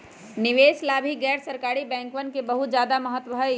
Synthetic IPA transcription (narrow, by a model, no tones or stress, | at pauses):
nɪʋeːslaːbʱiɡɛːɾsəɾkaːɾibɛ̃ːŋkʋənkebəɦʊt̪d͡ʒjaːd̪aməɦət̪wəɦɛ